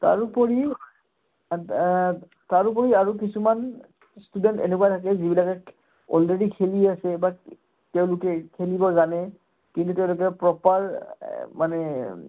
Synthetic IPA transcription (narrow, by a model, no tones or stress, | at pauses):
ta̰ɹupɔɹi | taɹupɔɹiaɹuk̬isuman | studɛntḛnekuatʰakɛzibilakɛ | ɔ̰lɹedikʰeliasɛba | teʊ̃lʊkɛkʰelibɔzanɛ | kintuteʊ̃lʊkɛpɹɔpaɹmanɛ